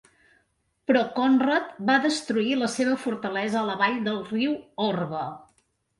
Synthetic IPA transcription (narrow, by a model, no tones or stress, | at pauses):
pɾɔkɔnrət̪baðəst̪ɾuiləseβəfuɾt̪əlɛzəːləβaʎd̪əlˠriwɔrβə